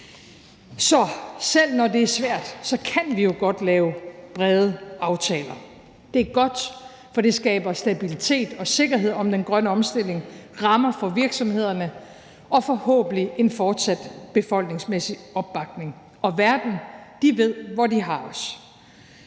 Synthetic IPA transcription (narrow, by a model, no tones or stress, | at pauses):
sɒ̽sel̰nɒde̝æɐsʋæɐ̰d̥sɒ̽kʰænʋijo̝ɡ̥ɒ̽d̥lɛːʊb̥ʁɛðˠəɑ̈ʊt͡sʰɛ̰ːlɐ | d̥e̝æɐɡ̥ɒ̽d̥ | fɒ̽d̥e̝sɡ̥ɛ̰ːb̥ɐsd̥æb̥ilit͡sʰe̝̰ːd̥ɒ̽se̝ɡ̥ɐɦe̝ð̞̰ˠɒ̽md̥enɡ̥ʁɶnəɒ̽msd̥e̝l̰e̝ŋʁɑ̈mɐfɒ̽ʋiɐɡ̥sɒ̽mhe̝ð̞̰ˠɐnə | ʔɒ̽fɒ̽hɔ̰̽ːb̥n̩liʔe̝nfɒːd̥sæd̥b̥e̝fɒ̽l̰ɡ̥ne̝ŋsmesiɒ̽b̥ːɑ̈ɡ̥ne̝ŋ | ʔɒ̽ʋæɐd̥n̩d̥iʋe̝ð̰ˠʋɒdiɦɑ̈ɒs